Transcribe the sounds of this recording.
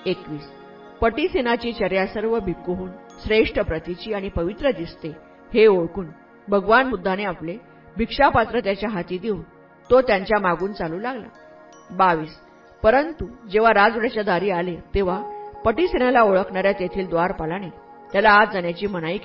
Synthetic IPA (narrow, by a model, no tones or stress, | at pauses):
ekʋiːs | pəʈiːsenat͡ɕiːt͡ɕəɾjasəɾʋəbʱikoɦuːn | sɾeʂʈəpɾət̪it͡ɕiːaɽ̃ipəʋit̪ɾəd̪ist̪e | heoɭkuːn | bʱəɡʋanmud̪ʱːaneaple | bʱikʂapat̪ɾət̪jat͡ɕjaɦat̪iːd̪iuːn | t̪ot̪jaɲt͡ɕjamaɡuːnt͡saluːlaɡla̰ | baʋiːs | pəɾənt̪ud͡ʑeʋ̤aɾad͡zʋɽat͡ɕjad̪aɾiːalet̪eʋ̤apəʈiːsenalaoɭəkɳaɾjat̪jet̪ʰiːld̪ʋaɾpalañe | t̪jalaːd͡zaɳjat͡ɕiːmənaik